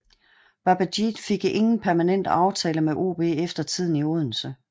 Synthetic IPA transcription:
b̥ɑb̥æd̥id̥fe̝ɡ̥e̝ŋn̩pʰæɐmænen̰d̥ɑ̈ʊt͡sʰɛːləmeʔo̝̰ːb̥e̝̰efd̥ɐt͡sʰið̞̰ˠn̩ioðˠn̩sə

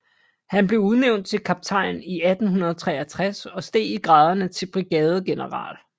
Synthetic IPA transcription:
hænb̥le̝ʊuðˠneʊnd̥̚t͡sʰe̝lkʰɑ̈b̥̚t͡sʰɑ̈ɪniæd̥n̩hunɐð̞ˠɒt͡sʰʁɛ̰ɐt͡sʰʁasɒ̽sd̥e̝̰ːiɡ̥ʁɑ̈ːð̞ˠɐnət͡sʰe̝lb̥ʁiɡ̥ɛːð̞ˠəɡ̥e̝nəʁɑ̰̈ːl

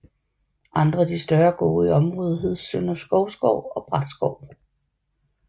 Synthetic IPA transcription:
ʔɑ̈nd̥ʁɐd̥isd̥ɶɐɡ̥o̝̰ːiɒ̽mʁɔ̽ð̞ˠɦe̝ð̰ˠsønɐsɡ̥ɒʊsɡ̥ɒʊ̰ɒ̽b̥ʁɑd̥sɡ̥ɒʊ̰

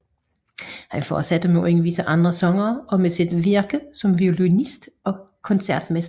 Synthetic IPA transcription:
hænfɒ̰ːd̥sæd̥əmeeŋəʋisəʔɑ̈nd̥ʁɐsɒ̽ŋɐːɒ̽mesid̥ʋiɐɡ̥əsɒ̽mʋiolunisd̥ɒ̽ | kʰɒ̽nsæɐ̰d̥mesd̥

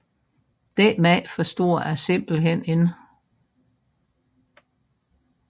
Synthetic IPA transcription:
d̥emɛfɒsd̥o̝̰ːɐæse̝m̰b̥l̩ɦen̰e̝n

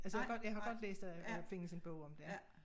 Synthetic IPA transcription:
ælsə̥ɡɒ̽d̥jɑ̈ɪɦɑ̈ɡ̥ɒ̽d̥lḛːsd̥ææfe̝ŋ̰əse̝nb̥ɔʊ̰ɒ̽md̥e

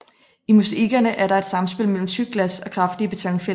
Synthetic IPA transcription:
imuseiɡ̥ɐnəʔæɐɾɑ̈e̝d̥sɑ̈msb̥e̝l̰mel̰m̩syɡ̥læsɒ̽kʰʁɑ̈fd̥iəb̥e̝t͡sʰɒŋfel

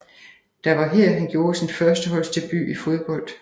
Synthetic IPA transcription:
d̥ɑ̈ʋɑ̈ɦɛɐ̰ɦænɡ̥jo̝ːɐsinfɶɐsd̥əɦɒ̽l̰st͡sʰe̝lb̥y̰ːifo̝ð̞ˠb̥ɒ̽l̰d̥

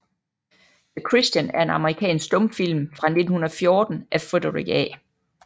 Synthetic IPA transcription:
ðəkʰʁisd̥jænæɐe̝nɑ̈məʁikʰɛ̰ːnsɡ̥̚d̥ɔ̽mfil̰mfʁɑ̈ne̝d̥n̩hunɐðˠfjo̝ːd̥n̩ʔæfod̥əʁḭɡ̥ɛ̰

